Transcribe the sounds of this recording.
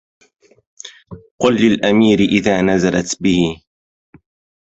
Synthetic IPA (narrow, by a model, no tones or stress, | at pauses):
qʊlːɪlʔamiːɾɪʔɪðaːnazalat̪bɪhɪ